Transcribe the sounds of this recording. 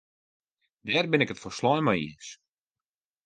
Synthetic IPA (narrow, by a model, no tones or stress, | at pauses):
dɛːrbɪnɪkətfɔrslɔjnmajḭəs